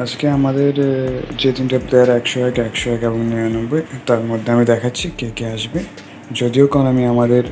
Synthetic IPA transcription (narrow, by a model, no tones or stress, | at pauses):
ad͡ʒkeamad̪eɾd͡ʑed̪inʈapleaɾɛkʃɔɛkɛkʃɔɛkɛbɔŋnɔanombet̪aɾmod̪ʱːeamid̪ɛkʰatːɕʰikekeaʃbe | d͡ʒod̪iokɔnamiamad̪eɾ